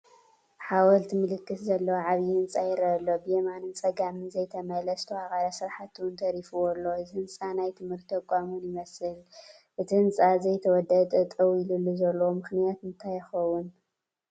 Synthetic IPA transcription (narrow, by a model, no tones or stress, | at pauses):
ħawɐlt̪ʰmɨlɨkːɨszɐlːɐwaʕaβjiɨnt͡sʼajɛɾɐɐlːobɨjemanɨnt͡sʼɐɡamɨnzɐjt̪ʰɐmɐlɐst̪ʰɐwakʼaɾɐsɨɾħat̪ʰuunt̪ʰɐɾifuwɔlːo̞ɨzihɨnsʼanajt̪ʰɨmhɨɾt̪ːʰɐkʷʼamunjɪmɐsɨl | ʔɨt̪ʰiɨnsʼazɐjt̪ʰɐwɔd̪ɐt̪ʼɐt̪ʼɐwilulːuzɐlːwomɨxnijat̪mɨnt̪ʰajɪxɐwːʊn